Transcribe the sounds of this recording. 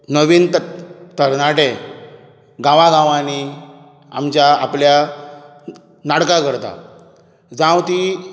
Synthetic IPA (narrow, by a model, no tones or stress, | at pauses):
nəʋiːnt̪əɾnaʈe | ɡãʋãɡãʋãni | a̰mt͡ɕjaaplja | naɽkakəɾt̪a̰ | d͡zãwt̪i